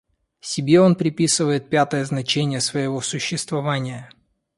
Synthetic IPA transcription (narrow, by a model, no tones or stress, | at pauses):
sʲɪbʲeo̞npɾʲɪpʲisɨvəjɪt̪̚pʲat̪əjəznɐt͡ɕenʲɪjəsvəjɪvo̞sʊɕːɪst̪vɐvanʲɪjə